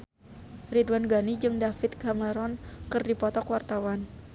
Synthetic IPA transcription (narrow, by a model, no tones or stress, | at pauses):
ridwanɡanid͡ʒɨŋdafɪt̪̚kaməɾɔnkɨrdipɔt̪ɔkwart̪awan